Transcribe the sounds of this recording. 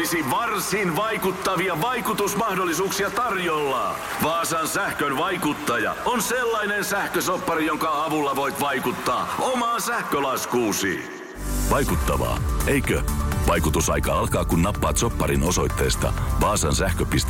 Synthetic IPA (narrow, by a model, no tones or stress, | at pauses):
isiʋɑrsinʋɑjkut̪ːɑʋiɑʋɑjkut̪usmɑhdolːisuːksiɑt̪ɑrjolːɑ̰ː | ʋɑːsɑːnsæhkønʋɑjkut̪ːɑjɑ̰onselːɑinensæhkøsopːɑɾijoŋkɑɑʋulːɑʋoit̪ʋɑjkut̪ːɑːomɑːnsæhkølɑskuːsḭː | ʋɑjkut̪ːɑʋɑ̰ːejkøʋɑjkut̪usɑ̰jkɑːɑlkɑːkunːɑpːɑːt̪so̞pːɑɾinoso̞jt̪ːeːst̪ɑ̰ʋɑːsɑːnsæhkøpist̪